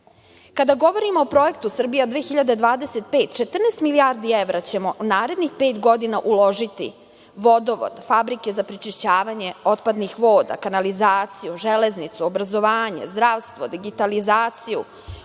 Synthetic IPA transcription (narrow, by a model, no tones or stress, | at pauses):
kad̪aɡo̞ʋo̞ɾimoopɾo̞je̞k̚t̪usr̩bijad̪ʋeːxiʎad̪e̞d̪ʋaːd̪eset̪̚pe̞ːt̪t͡ʃet̪r̩nest̪miliaɾd̪ieʋɾʔat͡ɕe̞mo̞ʔnaːɾe̞d̪nixpe̞ːt̪ɡo̞d̪inaʔulˠo̞ʒit̪ḭ | ʋo̞d̪oʋo̰d̪fabɾike̞zapɾit͡ʃiʃt͡ɕaːʋaɲe̞ot̪pad̪nixʋo̞ːd̪a̰kanalizaːt̪sijuʒeleznit̪suobɾazo̞ʋaːɲḛzd̪ɾaʋst̪ʋod̪iɡit̪alizaːt̪sijṵ